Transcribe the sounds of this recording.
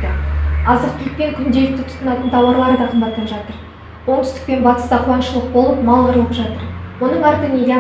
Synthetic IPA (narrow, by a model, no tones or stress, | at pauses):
ɑzəɾt̪ʲʰɪlk̚p̪eŋkʲʰʏnd̪e̞lɪk̚t̪ɪt̪ʰʊ̥t̪ənɑt̪ənt̪ʰɑwɑɾlˠɑɾəd̪ɑqʰəmbɑt̪̚q̪ːɑnʒɑt̪əɾ | wo̞ɴt̪ʰʏ̥st̪ɪk̚pe̞nbɑt̪ə̥st̪ɑqʰʊwɑnʃəlˠəq̚bo̞lˠəpmɑlˠʁəɾəlˠəpʒɑt̪əɾwo̞nəɴɑɾt̪ənelʲ